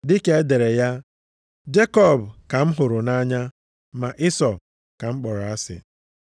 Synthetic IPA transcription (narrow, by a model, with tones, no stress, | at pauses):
dɪ˦ke˦e˦de˨ɾe˨ja˦ | d͡ʒe˦kɔ˦˨bka˨m̩˦ɦʊ˨ɾʊ˨na˦ɲa˦ | ma˨ʔɪ˦sɔ˨ | ka˨ŋ͡m̩˦k͡pɔ˨ɾɔ˨a˦sɪ̰˨